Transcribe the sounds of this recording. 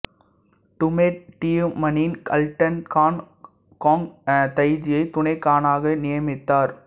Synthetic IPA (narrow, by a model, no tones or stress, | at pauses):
ʈʊmeːʈʈːiːjɯmɐnɪnkɐ̰lʈɐnkaːn | koːŋt̪ɐɪd͡ʒɪjɐɪt̪ʊɳɐɪkaːnaːɣɐnɪjɐmɪt̪ːaːɾ